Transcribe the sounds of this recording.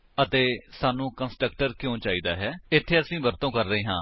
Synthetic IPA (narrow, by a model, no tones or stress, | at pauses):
ət̪eːsaːnũːkənsʈɾəkʈəɾkjõːt͡ʃaːiːd̪aːɦɛːɪt̪ʰːeːəsĩːbəɾt̪õːkəɾːəiːɦãː